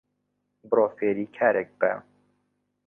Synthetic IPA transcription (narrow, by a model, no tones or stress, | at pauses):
bɨɾoːfeːɾiːkʰaːɾʔɛk̚bæ̰